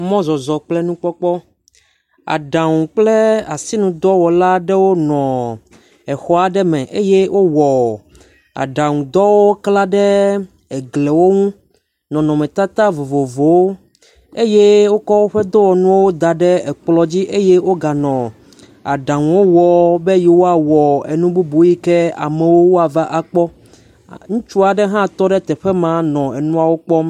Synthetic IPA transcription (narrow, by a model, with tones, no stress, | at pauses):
mɔ̃˦zɔ˨zɔ˨k͡plɛ˦nũ˦k͡pɔ˦k͡pɔ˦ | a̰˨ɖa˨ŋũ˨k͡plɛ˦a˨si˦nũ˨d̪ɔ˦wɔ˨la˦ɖɛ˦wo˦nɔ̃˨ | ɛ˨xɔ˦a˦ɖɛ˦mɛ̃˨ʔe˦je˦wʔo˦wɔ˨ | a̰˨ɖa˨ŋũ˨d̪ɔ˦wo˦kla˦ɖɛ˦ | ɛ˨ɡle˨wo˦ŋũ˦ | nɔ̃˨nɔ̃˨mɛ̃˨t̪a˦t̪a˦vo˨vo˨vo˨wo˦ | e˦je˦wo˦kɔ˦wo˦ɸɛ˦d̪o˦wɔ˨nũ˦wo˦d̪a˨ɖɛ˦ɛ˨k͡plɔ˨d͡ʑi˦ʔe˦je˦wo˦ɡa˨nɔ̃˨ | a̰˨ɖa˨ŋũ˨wo˦wɔ˨be˦ji˨wo˦a˨wɔ˨e˨nũ˦bu˦bu˨˦ji˦kɛ˦a̰˨mɛ˨wo˦wo˦a˨va˦ʔa˨k͡pɔ˦ | ŋũ˦t͡ʃu˦a˨ɖɛ˦ɦã˦t̪ɔ˦ɖɛ˦t̪ɛ˨ɸɛ˦mã˨nɔ̃˨ɛ˨nũ˦a˨wo˦k͡pɔ˦m